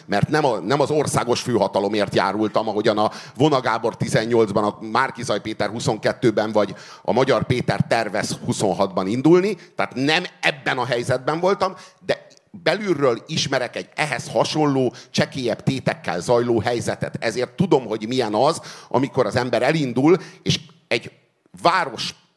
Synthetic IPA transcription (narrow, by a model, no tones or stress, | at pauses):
mɛrt̪nɛmɒnɛmɒzo̞rsaːɡo̞ʃføːɦɒt̪ɒlo̞meːrt̪ja̰ːɾult̪ɒmɒɦo̞ɟɒnɒvo̞nɒɡaːbo̞rt̪izɛɲːo̞ld̪zbɒnɒmaːrkizɒjpeːt̪ɛrhuso̞ŋkɛt̪ːøːbɛɱvɒɟ | ɒ̰mɒɟɒrpeːt̪ɛrt̪ɛrvɛshuso̞nɦɒd̪bɒnind̪ulnit̪aːt̪nɛmɛbːɛnɒɦɛjzɛd̪̚bɛɱvo̞lt̪ɒmd̪ɛ | bɛlyrːøːliʃmɛɾɛkɛɟɛɦɛshɒʃo̞nloːt͡ʃɛkeːjɛbt̪eːt̪ɛkːɛ̰lzɒjloːɦɛjzɛt̪ɛ̰t̪ɛzeːrt̪ːud̪o̞mɦo̞ɟmijɛnɒzʔɒ̰miko̞ɾɒzɛmbɛɾɛlind̪uleːʃ | ɛɟ | vaːɾo̞ʃ